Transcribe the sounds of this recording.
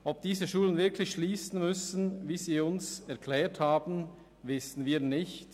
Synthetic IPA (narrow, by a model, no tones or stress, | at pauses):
ʔɔp̚d̥iːzəʃuːlənvɪɐkʰlɪçʃliːsn̩mʏsn̩viːziːʊnsɛɐkʰlɛːthaːbn̩ | vɪsn̩viːɐnɪçt